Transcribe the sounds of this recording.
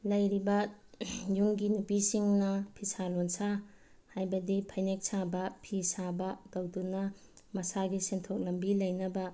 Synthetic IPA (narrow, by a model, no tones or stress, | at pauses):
lɐjɾibɐ | juŋɡinupisiŋnɐpʰisalonsa | hajbɐdipʰajnek̚sabɐpʰisabɐdɐwdunɐ | mɐsaɡisentʰok̚lɐmbilɐjnɐbɐ